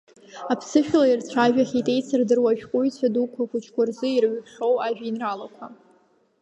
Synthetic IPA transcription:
apʰsɨʃᶣlairt͡sʷʰaʒᶣaχʲitʼe̞jt͡sʰardɨrwaʒᶣkʷʼʊjt͡sʷʰadukʷʰaχʷʊt͡ʃʰkʷʼʊrzɨirʕpʰχo̞waʒᶣainralakʷʰa

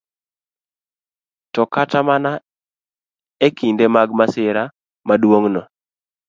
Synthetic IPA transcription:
tɔkatamana | ekindemaɡmasɪɾa | madwoŋnɔ

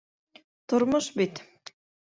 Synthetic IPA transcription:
t̪ŏɾmoʃbit̪

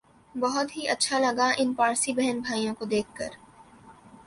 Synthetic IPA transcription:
bɐɦʊt̪ɦiʔɐtːʃʰalɐɡaʔɪnpaːɾsibɛɦɛnbʱaːijõkod̪eːkʰkɐ̰ɾ

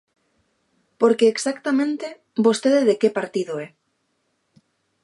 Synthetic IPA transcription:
poɾkeːksakt̪amẽnt̪e | bost̪eðeðekepaɾt̪iðoe

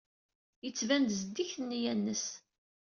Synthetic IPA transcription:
jət͡sːvænd̪zəd̪ːiçənːjænːəs

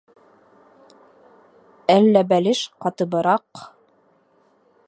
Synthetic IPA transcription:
ælːæbælɘʃqɑt̪ɤ̆bɤ̆ɾɑq

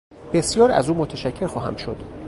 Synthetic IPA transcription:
b̥esjɒːɾæ̰zuːmot̪ʰeʃæcʰːe̞ɾxɒːɦæ̰mʃo̞d̪̥

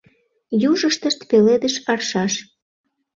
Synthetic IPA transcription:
juʒəʃt̪əʃt̪peled̪əʃɑrʃɑʃ

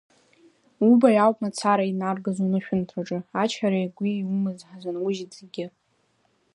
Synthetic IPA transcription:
ubajawpʼmat͡sʰaɾainarɡazonɨʃᶣʊntʰraʈ͡ʂʼɨat͡ʃʰħaɾajɡʷijumɨzħazʷanwʊʒdzeɡʲɪ

